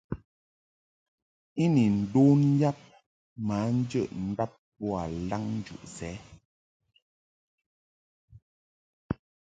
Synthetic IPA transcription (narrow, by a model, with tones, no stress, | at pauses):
i˦ni˨n̩˨do˦n̩˦ja˦p̚ | maː˨˦n̩˦d͡ʒə˦˨ʔn̩˦da˦p̚bɔ˦a˨la˦ŋn̩˦d͡ʒṵ˨ʔsɛː˨˦